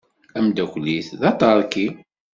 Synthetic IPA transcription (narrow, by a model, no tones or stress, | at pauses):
æmd̪ækʷliθðɑt̪ˤɑɾˤkːi